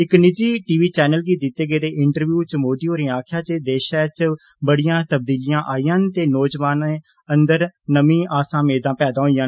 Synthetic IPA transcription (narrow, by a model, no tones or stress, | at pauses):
ɪknɪd͡ʒiːʈiːʋiːt͡ʃɛːnəlɡiːd̪ɪt̪ːeːɡeːt̪eːʔɪɳʈəɾʋjuːt͡ʃmoːd̪iːɦoːɾĩaːkʰjaːt͡ʃed̪eːʃaːt͡ʃ | bəɽijãːt̪əb̚d̪iːlɪjãːʔaːijãːnt̪eːnɔːd͡ʒʋaːneː | ənd̪əɾnəmĩːʔaːsãːmeːd̪ãːpɛːd̪ãːɦoːijãːn